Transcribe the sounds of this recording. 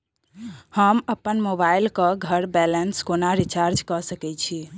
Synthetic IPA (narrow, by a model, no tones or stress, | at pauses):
həməpːənmobailkəɡʱəɾbɛlənskonaɾit͡ʃaɾd͡ʒkɔsəkɛt͡ʃʰi